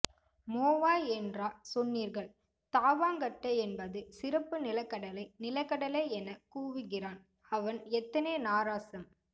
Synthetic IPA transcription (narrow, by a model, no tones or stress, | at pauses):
moːʋaːɛndraːsɔnːiːɾɣɐɭ | t̪aːʋaːŋɡɐʈːɐɛnbɐðɯsɪɾɐpːɯnɪlɐkːɐɽɐlɐɪnɪlɐɪkːɐɽɐleːɛnɐkuːʋɪɣɪraːn | ɐʋɐnɛt̪ːɐneːnaːɾaːsɐm